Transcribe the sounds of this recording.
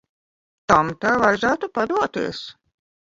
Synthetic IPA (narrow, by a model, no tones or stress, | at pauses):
t̪amt̪ajvajzæːt̪upad̪uɔt̪ḭɛs